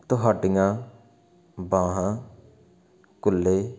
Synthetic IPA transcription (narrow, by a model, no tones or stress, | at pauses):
t̪oɦaɖɪŋãː | bãːɦãː | kʊlːeː